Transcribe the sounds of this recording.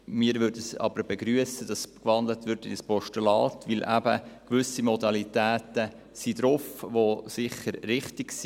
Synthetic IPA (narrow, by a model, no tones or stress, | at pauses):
miːɾʋʏɾdəsɑ̰b̥əɾbeɡɾyəsəd̥ɑskʋɑndlətʋɪɾtɪnəspɔʃtəlɑːtʋɪlʔæbə̰kʋʏsimɔdɑlitæːtə | sidɾʊfʋosɪχəɾɾɪχtɪksi